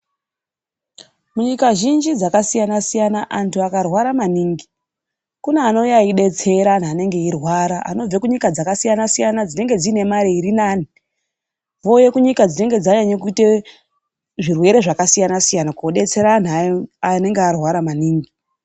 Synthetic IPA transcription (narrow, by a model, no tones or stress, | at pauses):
muɲikaʒind͡ʒid͡zakasijanasijanaʔantʰuakarwaɾamaniːŋɡi | kuneːno̞jaiɗe̞t͡se̞ɾan̤aːne̞ŋɡe̞irwaɾaa̰no̞b͡vekuɲikad͡zakasijanasijanad͡zine̞ŋɡe̞d͡zine̞maɾeiɾinaːni | vo̞je̞kuɲikad͡zine̞ŋɡe̞d͡zaɲaɲak̬ute | ʐirwe̞ɾe̞ʐakasijanasijanakuoɗe̞t͡se̞ɾan̤aane̞ŋɡearwaɾamaniːŋɡi